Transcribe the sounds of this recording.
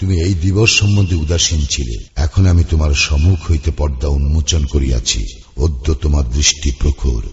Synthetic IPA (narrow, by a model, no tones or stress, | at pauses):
t̪umiejd̪iboʃːɔmːõnd̪ʱeud̪aʃint͡ɕʰilḛɛkʰonamit̪omaɾʃɔmukʰɦojt̪epɔɾd̪aunmot͡ɕonkoɾija̰t͡ɕʰḭ | od̪ʱːot̪omaɾd̪ɾiʃʈipɾokʰo̰ɾ